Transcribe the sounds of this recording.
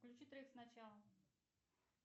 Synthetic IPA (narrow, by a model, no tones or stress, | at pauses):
klʲʉt͡ɕit̪ɾʲəixsnɐt͡ɕalˠə